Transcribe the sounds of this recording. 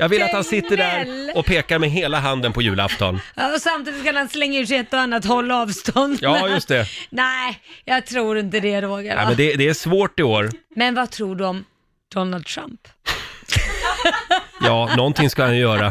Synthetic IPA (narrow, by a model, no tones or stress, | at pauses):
jɑːɡvɪlːat̪hansɪt̪ːəɖæɾɔpʰeːkaɾmɛɦeːlaɦand̪ənpɔjʉ̟ːla̰ft̪ʰɔ̰nɑːɔsamt̪iːd̪ɪt̪kʰanhanslɛŋːaʉːʂɪɛt̪ːɔanːat̪hɔlːaɑːvst̪ɔnd̪jɑjɵst̪ɛnɛjɑːɡ̚t̪ʰɾuːɾɪnt̪̬əd̪ɛɾoːɡa̰ɾɛ̰mmɛnd̪ɛd̪ɛæʂvoːʈɪoːɾmɛnvat̪ʰɾuːɖɔm | d̪̥ɔnald̪̚t̪ʰɾa̰mp | jɑːnɔnt̪ʰɪŋskahanjjœːɾa